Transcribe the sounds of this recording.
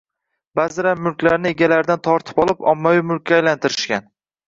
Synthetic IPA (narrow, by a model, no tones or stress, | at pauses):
bazɪɾamʊlkʲlaɾnɪeɡʲalaɾd̪ant̪ʰɒɾt̪ʰɪ̥pɒlˠɪpɒ̰mːawijmʊlˠkʲːaːjlant̪ʰɪɾɪʃkʲan